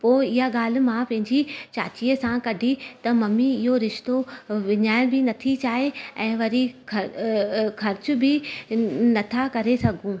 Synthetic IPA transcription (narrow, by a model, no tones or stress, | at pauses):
poːɪɦaɠaːl̤̆mãpɐ̃ɦɪ̃ɲd͡ʑit͡ɕa̰ːt͡ɕiːəsãkɐɖʱit̪ɐmɐmiɪɦoɾɪʃt̪oʋɪɲaːɪ̃bɪnɐt̪ʰit͡ɕaːɦeɛ̃ːʋɐɾikɐ | xʰɐɾt͡ɕʊ̆bʱɪ | nɐt̪ʰakɐɾesɐɡʱũ